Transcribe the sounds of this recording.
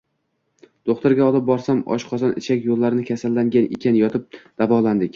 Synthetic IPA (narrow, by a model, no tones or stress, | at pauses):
d̪̥oqt̪ɪɾɡʲaɒlˠɪp̚bɒɾs̪amɒ̰ʃqʰɒzɒnɪt͡ʃʰakʲjolˠːaɾɪnɪkʲʰasalːaŋɡʲanḛkʲʰanjɒt̪ʰɪp̚d̪̥avɒlˠand̪ɪkʲ